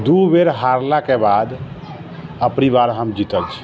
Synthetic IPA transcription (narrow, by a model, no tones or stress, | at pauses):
d̪ubeɾɦaɾlakebad̪ | əpnibaɾɦəmd͡ʒit̪əlt͡ʃʰi̥